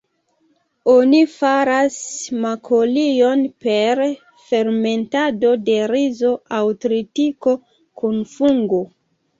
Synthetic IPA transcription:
o̞nifaɾasmakʰolio̞npe̞ɾ | fe̞ɾme̞ntado̞de̞ɾizo̞awtɾitiko̞ | kunfuŋɡo

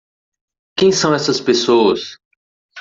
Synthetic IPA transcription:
kẽj̃sɐ̃w̃ɛsɐspesoɐs

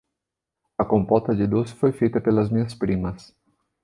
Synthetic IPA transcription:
ɐkõmpɔt̪ɐd͡ʒɪd̪osɪ̥fojfejt̪ɐpelɐzmĩɲɐspɾĩmɐs

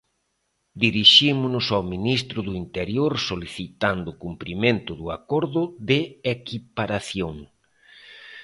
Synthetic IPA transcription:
d̪iɾiʃimʊnʊsawminist̪ɾʊðʊint̪eɾjoɾsoliθit̪and̪ʊkumpɾimẽnt̪ʊðʊa̰koɾðʊðɪekipaɾaθjoŋ

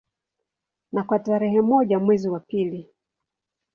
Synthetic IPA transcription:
nakwataɾɛhɛmɔʄamwɛziwapili

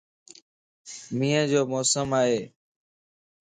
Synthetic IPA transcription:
mĩːə̃d͡ʑoːmɔːsəmaːɦeː

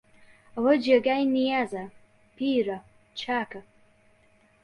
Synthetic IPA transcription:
awad͡ʒaɡajnijaza | pʰira | t͡ʃʰakʰa

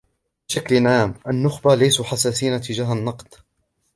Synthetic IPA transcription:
bɪʃaklnʕaːmʔanːʊxbalajsuħasaːsiːnat̪ɪd͡ʒaːhanːɑqd̪̥

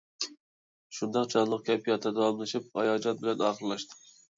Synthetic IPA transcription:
ʃund̪ɑqd͡ʒɑnlˠəq̚kʲʰɛpʰijɑt̪ʰːɨd̪ɑɑmlˠɨʃip̚ɑ̰jɑd͡ʒɑt̪̚bɪlɛnɑːχəɾlˠɑʃt̪ɨ̥

